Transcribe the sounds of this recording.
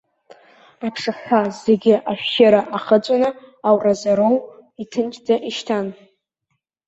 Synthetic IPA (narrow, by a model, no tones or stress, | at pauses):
apʰʂɨħʷaze̞ɡʲɪʔaʃᶣʃaɾaʔaχət͡ʃʷʼanɨawrazaɾowitʰɨnt͡ʃʼd͡zaʔiʃtʰan